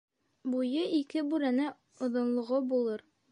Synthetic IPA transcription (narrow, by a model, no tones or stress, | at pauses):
bujɤikɘbʉɾænæ | ŏðŏnlˠŏʁobulˠɤɾ